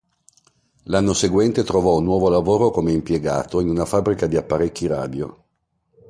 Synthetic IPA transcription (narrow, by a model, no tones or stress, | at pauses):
lanːoseɡwɛnt̪et̪ɾovɔunːwɔːvolavoːɾokomeimpjeɡa̰ːt̪oinunafabɾikad̪iapːaɾekːiɾa̰ːd̪jo̰